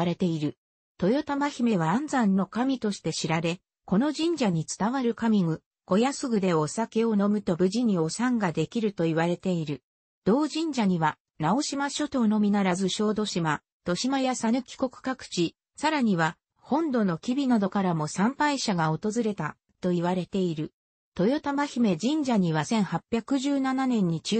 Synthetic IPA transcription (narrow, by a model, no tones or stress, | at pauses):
ɾe̞t̪e̞iɾɯ̟ | t̪o̞jo̞t̪amaçime̞β̞ãnd͡zãnːo̞kamʲit̪o̞ɕi̥t̪e̞ɕiɾaɾe̞ | ko̞no̞ʑĩɲ̟d͡ʑaɲ̟it͡sɨ̥t̪aβaɾɯ̟kamʲiŋɯ | ko̞jasɨɡɯ̟d̪e̞o̞sake̞o̞no̞mɯ̟t̪o̞bɯ̟ʑiɲ̟io̞sãŋɡad̪e̞kʲiɾɯ̟t̪o̞iβaɾe̞t̪e̞iɾɯ̟ | d̪̥o̞ːʑĩɲ̟d͡ʑaɲ̟iβa | nao̞ɕimaɕo̞t̪o̞no̞mʲinaɾazɨɕo̞ːd̪o̞ɕima | t̪o̞ɕimajasanɯ̟kʲi̥ko̞kɯ̟̥kakɯ̟̥t͡ɕi | saɾaɲ̟iβa | hõ̞nd̪o̞no̞kʲibʲinad̪o̞kaɾamo̞sãmpaiɕaɡao̞t̪o̞zɨɾe̞t̪a | t̪o̞iβaɾe̞t̪e̞iɾɯ̟ | t̪o̞jo̞t̪amaçime̞d͡ʑĩɲ̟d͡ʑaɲ̟iβasẽ̞ɰ̃hapʲjakɯ̟ʑɨːnananẽ̞ɲ̟ːit͡ɕː